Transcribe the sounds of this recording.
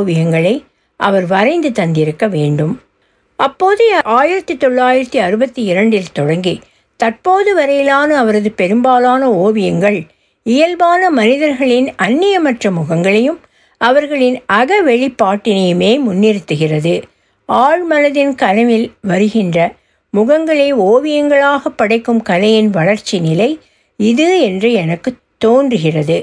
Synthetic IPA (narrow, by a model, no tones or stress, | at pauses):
ʋɪjɐŋɡɐɭɐɪ | ʔɐʋɐɾʋɐɾɐɪnd̪ɯt̪ɐnd̪ɪɾɯkːɐʋeːɳɖɯm | ɐpːoːðɯʔaːjɪɾɐt̪ːit̪ːɔɭːaːjɪɾɐt̪ːiɐɾɯbɐt̪ːiɪɾɐɳɖɪlt̪ɔɽɐŋɡi | t̪ɐrpoːðɯʋɐɾɐjɪlaːnɐɐʋɐɾɐðɯpɛɾɯmbaːlaːnɐoːʋɪjɐŋɡɐɭ | ɪjɐlbaːnɐmɐnɪðɐɾɣɐɭɪnɐnːɪjɐmɐʈrɐmʊɣɐŋɡɐɭɐjɯm | ɐʋɐɾɣɐɭɪnɐɣɐʋɛɻɪpːaːʈːɪnɐjɯmeːmʊnːɪɾɯt̪ːɯɣɪrɐðɯ | aːɻmɐnɐðɪnkɐlɐʋɪlʋɐɾɯɣɪndrɐ | mʊɣɐŋɡɐɭeːoːʋɪjɐŋɡɐɭaːɣɐpːɐɽɐɪkːɯmkɐlɐjɪnʋɐɭɐɾt͡ʃinɪlɐɪ | ɪðɯɛndrɯɛnɐkːɯt̪ːoːndrɯɣɪrɐðɯ